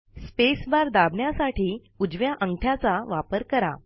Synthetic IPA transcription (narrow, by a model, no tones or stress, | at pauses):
spesbaɾd̪abɳjasaʈiː | ud͡zʋjaʔəŋɡʈʰjat͡saʋapəɾkəɾa̰